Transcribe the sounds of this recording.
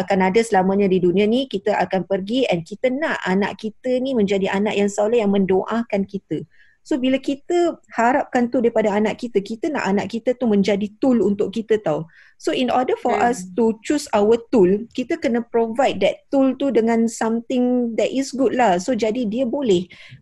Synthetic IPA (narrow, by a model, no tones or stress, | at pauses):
akanadasəlamãɲãdidunĩanikit̪əʔakanpərɡiɛnkit̪ənãʔana̰ʔkit̪ənimə̃ɲd͡ʒadiʔanaʔjaŋsalajaŋmə̃ndoʔakankit̪ə | sobilakit̪əhaɾap̚kant̪uldaɾipadaanaʔkit̪əkit̪ənã̰ʔanaʔkit̪ət̪umə̃ɲd͡ʒadit̪ulunt̪ʊʔkit̪ət̪aw | soinɔdəfɔʔast̪ut͡ʃusawət̪ulkit̪əkənə̃pɾovajd̚dɛt̪ːult̪udəŋãnsamt̪ɪŋd̪ɛtɪsɡud̚lahsod͡ʒadidiəbolɛh